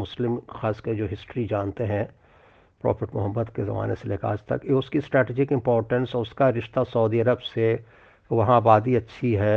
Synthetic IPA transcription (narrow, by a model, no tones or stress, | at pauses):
mʊslɪmxaːsked͡ʒoːɦɪsʈɾid͡ʒaːnt̪eɦɛ̃ | pɾɔ̰ːfɪʈmʊɦəmːəd̪kezɐ̰ma̰ːneseleːka̰ːd͡ʒt̪ɐ̰kjeʊskisʈɾɛːʈeːd͡ʒɪkɪ̃mpɔːɾʈə̃nsʊskaɾɪʃt̪asɐːd̪iɐɾəbse | ʋɐɦãbaːd̪iɐtːʃʰiɦɛː